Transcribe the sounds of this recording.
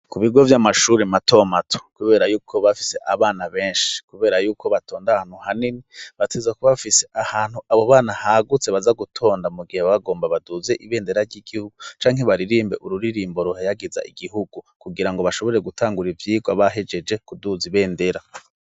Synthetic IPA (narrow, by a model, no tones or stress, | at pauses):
kuβiɡo̞vjamaʃuːɾematʰo̞matʰo̥kuβe̞ːɾajuːkʰo̞βafi̥se̞ʔaβaːnaβe̞ːnʃi̥kuβe̞ːɾajuːkʰo̞βatʰo̞ːndahaːn̥huhaniniβatʰezakoβafise̞ʔahaːn̥huaβoβaːnahaɡut͡seβazaɡutʰo̞ːndamuɡiheβaɡo̞ːmbaβaduze̞ʔiβe̞ːnde̞ɾaɾɟiɡ̥ihuɡut͡ʃaːŋheβaɾiɾiːmbeʔuɾuɾiɾiːmbo̞ɾuhejaɡiza̰ʔiɡiɦuɡukuɡiɾaŋɡo̞βaʃo̞βo̞ɾe̞ɡutʰaːŋɡuɾivjiːɡwaβaɦe̞d͡ʒe̞d͡ʒe̞kuduziβe̞ːnde̞ɾa